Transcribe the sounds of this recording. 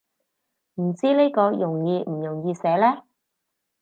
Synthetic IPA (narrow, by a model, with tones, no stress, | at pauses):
m̩˨˩t͡siː˥le˥jkɔː˧jʊ˨˩ŋjiː˧m̩˨˩jʊ˨˩ŋjiː˧sɛː˨˥lɛː˥